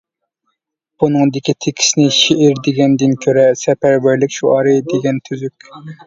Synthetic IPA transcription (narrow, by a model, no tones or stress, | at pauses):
b̥unɨŋd̪ɪkʲit̪ʰekʲʰi̥snɪʃeʔɪɾd̪eɡʲɛnd̪ɪnkʲʰøɾɛsɛpæɾbæɾlɪkʲʃuɑɾɨd̪eɡʲɛnt̪ʰyzykʲ